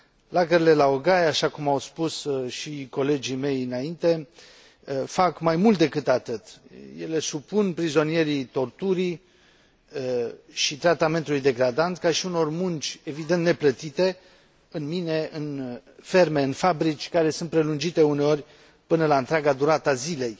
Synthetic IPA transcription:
laɡəɾile̞laoɡajaʃakumawspusʃiko̞le̞d͡ʒime̞jɨnaint̪e̞ | fakmajmult̪̚d̪e̞kɨt̪at̪ɨt̪je̞le̞supunpɾizo̞nije̞ɾit̪o̞rt̪uɾi | ʃit̪ɾat̪ame̞nt̪ulujd̪e̞ɡɾad̪ant̪kaʃiuno̞rmunt͡ʃʲe̞vid̪ent̪ne̞plət̪it̪e̞ | ɨnmine̞ʔɨnfe̞rme̞ɨnfabɾit͡ʃʲkaɾe̞sɨnt̪̚pɾe̞lund͡ʒit̪e̞une̞o̞rʲ | pɨnəlaɨnt̪ɾʲaɡad̪uɾat̪azile̞j

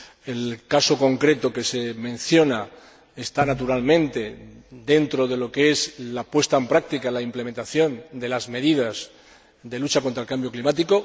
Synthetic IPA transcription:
e̞lkaso̞ko̞ŋkɾe̞t̪oke̞se̞mẽ̞nθjo̞na | est̪anat̪uɾalmẽ̞nt̪e̞d̪e̞nt̪ɾoðe̞lo̞kee̞zlapwe̞st̪aempɾak̚t̪ikalaimplemẽ̞nt̪aθjõ̞nd̪e̞lazme̞ðiðaz | d̪e̞lut͡ʃako̞nt̪ɾaelkambjo̞klimat̪iko̞

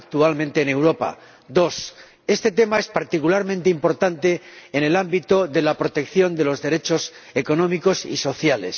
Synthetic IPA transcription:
k̚t̪ualmẽ̞nt̪e̞ːne̞wɾo̞pa̰ | d̪o̞s | e̞st̪e̞t̪e̞mae̞spaɾt̪ikulaɾmẽnt̪eimpo̞ɾt̪ant̪e̞ːne̞lambit̪oðe̞lapɾo̞t̪e̞kθjo̞nd̪e̞lo̞zðe̞ɾe̞t͡ʃo̞s | eko̞nõ̞miko̞sḭso̞θjale̞̰s

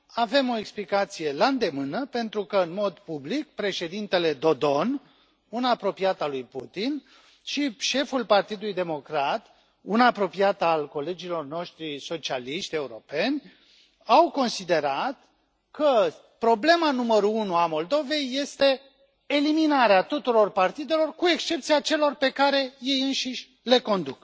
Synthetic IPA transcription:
ave̞mo̞eksplikat̪sije̞laɨnd̪e̞mɨnəpe̞nt̪ɾukəɨnmo̞d̪publik̚pɾe̞ʃe̞d̪int̪e̞le̞d̪o̞d̪o̞n | unapɾo̞piat̪alujput̪in | ʃiʃe̞fulpart̪id̪ulujd̪emo̞kɾat̪ | unapɾo̞piat̪alko̞le̞d͡ʒilo̞rno̞ʃt̪ɾiso̞t͡ʃialiʃt̪ʲe̞uɾo̞pe̞nʲ | awko̞nsid̪e̞ɾat̪ | kə | pɾo̞ble̞manuməɾuunuamo̞ld̪o̞ve̞jːe̞st̪e̞ː | liminaɾeat̪ut̪uɾo̞rpart̪id̪e̞lo̞rkue̞kst͡ʃe̞p̚t̪sijat͡ʃe̞lo̞rpe̞kaɾe̞je̞jɨnʃiʃʲ | le̞ko̞nd̪uk

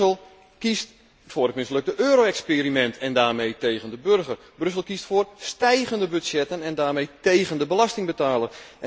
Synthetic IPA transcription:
əlˠ | kist | fʊːrdɪk̚mɪnsløk̚dəʔøːɾoːɛkspeːɾimɛntʰɛndaːrmejtejɣəndəbørɣər | brøs̬əlˠkistfʊːrstɛjɣəndəbytsjɛtənɛndaːrmejtejɣəndəbəlastɪŋbətaːlə

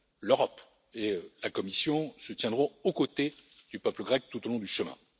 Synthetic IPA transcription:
løʁɔp | eølakɔmisjɔ̃sət̪jɛ̃d̪ʁɔ̃okot̪ed̪̥ypœpləɡʁɛk̚t̪ut̪olɔ̃d̪yʃəmɛ̰̃

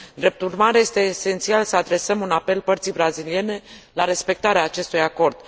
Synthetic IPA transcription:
d̪ɾe̞p̚t̪urmaɾeje̞st̪e̞ːse̞nt̪sialsəad̪ɾe̞səmunape̞lpərt̪sijbɾazilie̞ne̞laɾe̞spe̞k̚t̪aɾeaːt͡ʃe̞st̪ujako̞rd̪̥

